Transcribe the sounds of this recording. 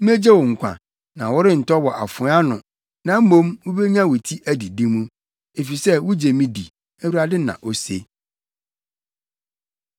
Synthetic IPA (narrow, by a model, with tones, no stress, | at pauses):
m̩˦me˦d͡ʑɛ˦wʊ̃˨ŋ̩˨kʷʰã̰˨ | nã˨wʊ˦ɾɪ˦n̩˨tʰɔ˦wɔ˨ʔa˨fʊ̃˨˦a˦nʊ̃˨ | nã˨m̩˦mõ˦mwʊ˦be˦ɲã˦wʊ˨tʰi˦ʔæ˦di˨dĩ˦mũ˦ | e˨fi˨sɛ˦wʊ˦d͡ʑe˨mĩ˦di˨ | æ˦wu˦ɾa˨dɪ˦nã̰˨ʔo˦se˦